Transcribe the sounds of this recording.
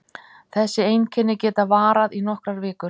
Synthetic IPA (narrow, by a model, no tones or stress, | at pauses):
θɛsːɪejncʰɛnːɪcɛːt̪avaːɾaðinɔhkɾaɾvɪːkʏɾ̥